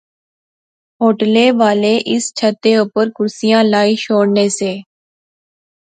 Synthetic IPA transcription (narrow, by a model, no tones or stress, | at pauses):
ɦoːʈleːʋaːleʔɪst͡ʃʰət̪ːeoːpəɾkʊɾsijãːlaːiʃoːɽneːseː